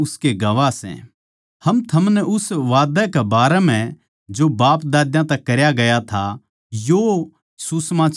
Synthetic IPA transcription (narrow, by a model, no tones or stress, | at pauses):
ʊskeɡɐʋasɛ̰̃ | hɐmt̪ʰɐmnɛʔʊsʋaːd̪ɛkɛbaːɾɛmɛ̃ | d͡ʒobaːpd̪aːd̪jãt̪ɛkːɐɾjaɡɐjat̪ʰa | jo | susmãː